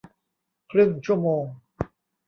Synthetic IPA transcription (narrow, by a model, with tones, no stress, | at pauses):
kʰɾɯ˥˩ŋt͡ɕʰu˥˩əmoː˧ŋ